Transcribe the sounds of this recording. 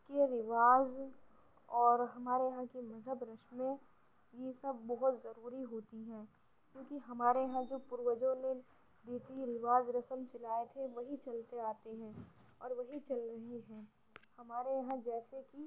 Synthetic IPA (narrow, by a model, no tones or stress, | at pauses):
keɾɪʋaːz | ɔːɾɦɐmaːɾejɐɦãkimɐzɦəbɾɐʃmẽ | jesɐbːɔɦʊt̪zɐɾuːɾiɦoːt̪iɦɛ̃ː | kjõːkiɦɐmaːɾejɐɦãd͡ʒoːpʊɾʋəd͡ʒõne | d̪eːt̪iɾɪʋaːzɾɐsəmt͡ʃɐlaːet̪ʰeʋɐɦit͡ʃɐlt̪eaːt̪eɦɛ̃ː | ɔːɾʋɐɦit͡ʃɐlɾɐɦeɦɛ̃ː | hɐmaːɾejɐɦãd͡ʒɛːseki